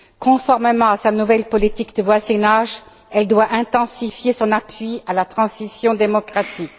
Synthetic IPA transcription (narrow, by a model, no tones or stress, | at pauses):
kɔ̃fɔʁmemɑ̃asanuvɛlpɔlit̪ikd̪əvwazinaʒ | ɛld̪waʔɛ̃t̪ɑ̃sifjesɔ̃napɥialat̪χɑ̃sisjɔ̃d̪emɔkχat̪ik